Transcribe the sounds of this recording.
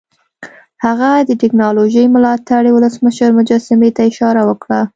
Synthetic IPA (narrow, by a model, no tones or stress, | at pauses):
haɣad̪əʈɪknɑloʒəjmʊlɑt̪aɽewʊləsməʃəɾmʊd͡ʒɑsɪmet̪aɪʃɑɾawəkɽa